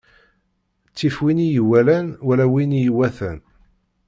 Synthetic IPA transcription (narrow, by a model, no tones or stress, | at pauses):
t͡sːifwinijəwːælænwælæwinjəwæθæ̰n